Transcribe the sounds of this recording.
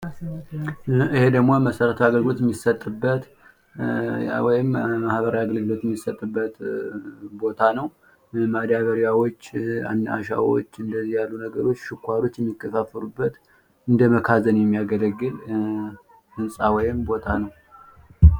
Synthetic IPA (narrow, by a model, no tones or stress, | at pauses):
ɨhe̞d̪əɡmo̞məsəɾət̪ʰəaɡəlɡɨlo̞t̪jɛmːisət̪ʼːɨbːət̪ | wɔjɪmmahbəɾajaɡəlɡɨlo̞t̪jɛmːisət̪ʼːɨbːət̪ | bo̞t̪ʰanəw | mad̪aβəɾijawo̞t͡ʃːa̰na̰ʃa̰wo̰t͡ʃːɨnd̪əzihjalːunəɡəɾo̞t͡ʃːʃɪkʰʷːaɾo̞t͡ʃːjɛmːikʰʼːəfafːəlubːət̪ | ɨnd̪əməkʰazənjɛmːijaɡələɡːɨl | ɨnsʼawjɪmbo̞t̪ʰanəw